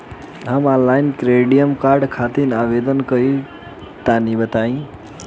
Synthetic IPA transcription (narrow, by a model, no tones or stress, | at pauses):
ɦəmãllajnkɾeɖijəmkaɾɖkʰat̪inaʋed̪ənkəi | t̪anibət̪aĩ